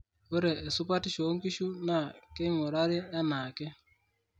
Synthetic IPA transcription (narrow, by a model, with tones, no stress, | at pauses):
wo˦ɾeː˨sʊ˦pa˦ti˦ʃo˨˦ŋki˦ʃu˦na˦˨ke˦ŋo˨ɾa˦ɾɪ˦a˦na˨ke˦